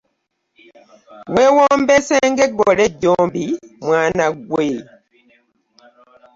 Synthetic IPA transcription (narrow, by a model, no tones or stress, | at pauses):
weːwombeseŋɡeɡoleɟːoːmbimwaːnaɡwe